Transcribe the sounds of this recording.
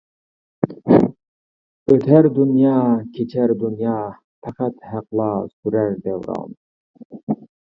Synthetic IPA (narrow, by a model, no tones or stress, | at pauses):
øt̪ʰæɾd̪unjɑːkʲʰet͡ʃʰæɾd̪unjɑː | fɑqʰæt̪hæqlˠɑːsuɾæɾd̪æwɾɑ̰ːn